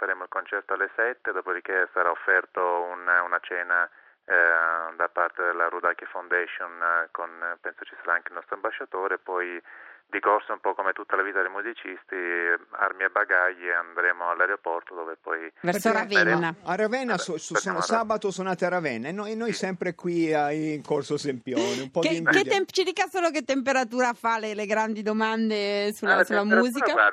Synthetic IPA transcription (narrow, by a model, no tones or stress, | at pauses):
faɾeːmoilkont͡ʃɛrt̪oalːesɛt̪ːed̪ɔːpod̪ik̟esaɾaofːɛrt̪oununat͡ʃɛːna | d̪apːart̪ed̪elːaɾud̪akifawnd̪ɛʃonkonpɛnsot͡ʃi̥saɾaaŋkeilnɔst̪ɾoambaʃːat̪oːɾeːpːɔjd̪ikorsoumpɔkːomet̪ut̪ːalavit̪ad̪ejmuzit͡ʃist̪ia̰rmiebːaɡaʎːiand̪ɾeːmoalːaɾeopɔrt̪od̪oːvepɔjvɛɾɾsoɾavɛnnːaaɾavɛnːasossonsaːbat̪osonaːt̪eaɾavɛnːaenːojnːojsɛmpɾekwiaŋkorsosempjɔːneumpɔd̪ikeɛmpt͡ʃid̪iːkasoːlok̬et̪ːempeɾat̪uːɾafaleleɡɾand̪id̪omand̪esulasulːamuːzika